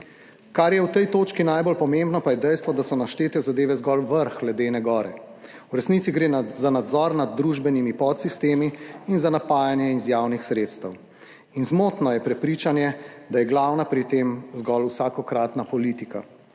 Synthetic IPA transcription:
kaɾjɛwt̪ɛjt̪oːt͡ʃkinajbɔlpɔmẽmbnɔpajɛd̪ɛjst̪ʋɔd̪asɔnaʃt͡ʃ̪eːt̪ɛzad̪eːʋɛzɡɔlʋəɾxɡlɛd̪eːnɛɡɔːɾɛ̰ | wɾɛsnit̪siɡɾeːnzanad̪zɔɾnad̪̚ːɾuːʒbɛnimipɔt̪sist̪eːmiːnzanapaːjanjɛizjaːwnixsɾeːt̪st̪əw | inzmoːt̪nɔjɛpɾɛpɾiːt͡ʃanjɛd̪ajɛɡlawnapɾit̪emzɡɔlusaːkɔkɾat̪napɔlit̪ika̰

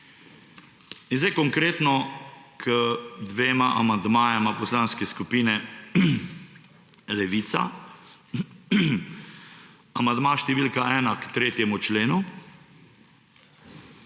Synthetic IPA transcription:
inzɛjkɔŋkɾeːt̪nɔkʰəd̪ʋeːmaʔa̰mand̪maːjɛmapɔslanskɛskupiːnɛ | lɛʋiːt̪sa̰ | amand̪maːʃt̪ɛʋiːlkaʔɛːnakt̪ɾeːt̪jɛmut͡ʃleːnu

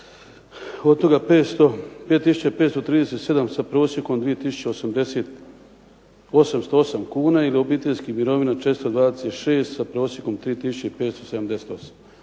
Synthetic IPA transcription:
od̪̚t̪o̞ɡapeːt̪opeːt̪ːisut͡ɕapeːt̪st̪ot̪ɾiːd̪ese̞t̪se̞d̪amsapɾo̞ːsjeko̞md̪ʋije̞t̪isu̥t͡ɕeosamd̪eset̪ | o̞samst̪oosamkuːnailio̞bit̪enskimiɾo̞ʋinat͡ʃeːt̪st̪od̪ʋaːd̪eset̪ʃe̞ːst̪sapɾo̞ːsjeko̞mt̪ɾiːt̪isu̥t͡ɕeipeːt̪st̪oseamd̪e̞set̪o̞sḁm

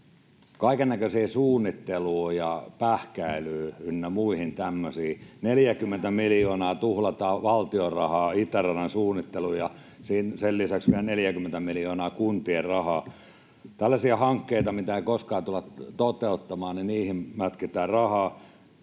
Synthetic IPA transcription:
kɑikennækøsiːsuːnːit̪ːeluːjɑpæhkæilyːynːæmuihint̪æmːøsiːneljækymːent̪æmiljoːnɑːt̪uhlɑt̪ɑːʋɑlt̪iorɑhɑːit̪ːærɑnensuːnːit̪ːeluːjɑ | siːnsellisæksʋiælneljækymːent̪æmiljoːnɑːkunt̪ierrɑhɑː | t̪ælːæsiæhɑŋkːeit̪ɑmit̪æeikoskɑːt̪ulɑtt̪ot̪eut̪ːɑmɑːniniːhimmæt̪kit̪æːrɑhɑː

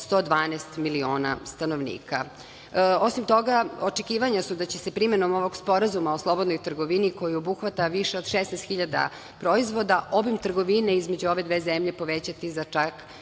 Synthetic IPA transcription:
st̪o̞ːd̪ʋaːnɛst̪milioːna̰st̪anoʋnḭːka | o̞simt̪o̞ɡaot͡ʃekiːʋaɲasud̪at͡ɕe̞sepɾimenomo̞ʋo̞ɡspo̞ɾazumaoslˠo̞bod̪nojt̪rɡo̞ʋiniko̞jiobuxʋat̪aʋiʃeo̞d̪ʃesnɛjst̪xiʎad̪a̰ | pɾo̞izʋo̞d̪aʔo̞bimt̪r̩ɡo̞ʋineizme̞d͡ʑuo̞ʋe̞d̪ʋeːzemʎe̞po̞ʋet͡ɕat̪izat͡ʃak

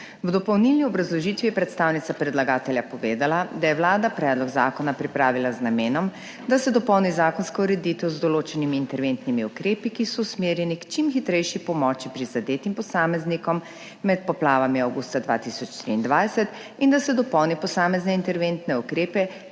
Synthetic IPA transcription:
wd̪ɔpɔwnilniɔbɾazlɔʒit̪ʋijɛpɾɛt̪st̪aːwnit̪sapɾɛd̪laɡaːt̪ɛljapɔʋeːd̪alad̪ajɛwlaːd̪apɾɛd̪lɔɡzaːkɔnapɾipɾaːʋilaznameːnɔm | d̪asɛd̪ɔpɔwnizaːkɔnskɔuɾɛd̪it̪ɛwzd̪ɔloːt͡ʃɛnimiːnt̪ɛɾʋent̪nimiukɾeːpikisɔusmeːɾjɛnikt͡ʃimxit̪ɾɛjʃipɔmɔːt͡ʃipɾizad̪eːt̪impɔsaːmɛznikɔmː | ɛt̪̚pɔplaːʋamiawɡust̪ad̪ʋa̰ːt̪isɔt͡ʃt̪ɾḭːnd̪ʋajsɛt̪ | ind̪asɛd̪ɔpɔwnipɔsaːmɛznɛint̪ɛɾʋent̪nɛukɾeːpɛ

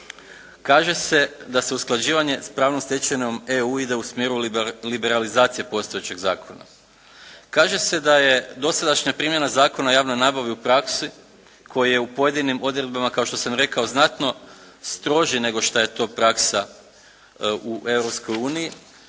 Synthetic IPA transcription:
kaːʒe̞se̞d̪ase̞usklˠad͡ʑiːʋaɲe̞spɾaːʋnomsjet͡ʃeɲo̞me̞uid̪e̞usmjeɾulibe̞ɾalizaːt̪sije̞po̞st̪ojet͡ɕe̞ɡza̰ːkʰo̞na̰ | kaːʒe̞se̞d̪aje̞d̪o̞sad̪aʃɲapɾiːmje̞nazaːko̞najaːʋno̞jnaːbaʋiupɾaksi | kʰo̞jije̞upo̞je̞d̪inimo̞d̪ɾe̞d̪̚bamakaoʃt̪osamɾe̞kao̞znat̪no̞ | st̪ɾo̞ʒine̞ɡo̞ʃt̪aje̞t̪o̞ːpɾaksa | uʔe̞vɾopsko̞juːniji

